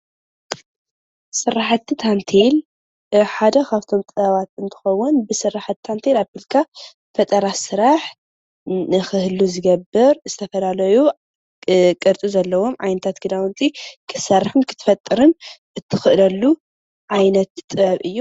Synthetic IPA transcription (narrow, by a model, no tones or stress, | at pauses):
sɨɾːaħat̪ʰːit̪ʰant̪ʰel | ħad̪ɐkʰaβt̪ʰo̞mt̪ʼɨɐβat̪ɨnt̪ʰɨ̥xɐwːʊnbɨsɨrːaħat̪t̪ʰant̪ʰelabbilkʰa | fɐt̪ʼɐɾasɨɾaħ | nɨxɨhluzɨɡɐbːɨɾzɨt̪ʰɐfɐlalɐju | kʼɨɾt̪ʼuzɐlːɐwo̞mʕajnɐt̪ʰat̪ɡ̥ɨd̪awnt̪ʼikʰɨsɐrħɨnkʰɨ̥t̪ʰɨ̥fɐt̪ʼːɨɾɨmʔɨt̪ʰːɨxɨʔɨlɐlːu | ʕajnɐt̪t̪ʼɨɐβɨjːu